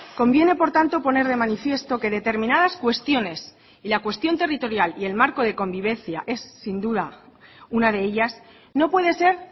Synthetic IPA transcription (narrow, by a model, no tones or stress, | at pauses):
ko̞mbje̞ne̞po̞ɾt̪ant̪o̞po̞ne̞ɾð̞e̞manifje̞st̪o̞ke̞ðe̞t̪e̞ɾmĩnaðaskwe̞st̪jo̞ne̞s | ilakwe̞st̪jo̞nt̪e̞rit̪o̞ɾjalie̞lmaɾko̞ð̞e̞ko̞mbiβ̞ẽ̞n̟θja̰ʔe̞sːind̪uðaunaðe̞eʎas | no̞pwe̞ðe̞se̞ɾ